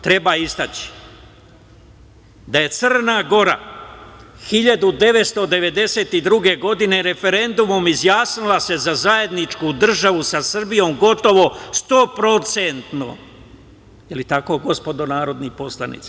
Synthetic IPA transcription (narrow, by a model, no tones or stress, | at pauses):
t̪ɾe̞baːist̪at͡ɕi̥ | d̪aje̞t̪sɨr̩naɡo̞ɾa̰ | xiʎad̪ud̪e̞ʋe̞t̪st̪o̞d̪e̞ʋe̞d̪e̞se̞ːt̪id̪ɾuɡe̞ɡo̞d̪ine̞ɾe̞fe̞ɾe̞nd̪umo̞mizjaːsnilase̞zazaje̞d̪nit͡ʃkud̪r̩ʒaʋusasr̩bijo̞ːmɡo̞t̪o̞ʋo̞st̪o̞ːpɾo̞t̪sent̪no̰ | jelit̪ako̞ːɡo̞spo̞d̪o̞naːɾo̞d̪nipo̞slˠanḭt̪sa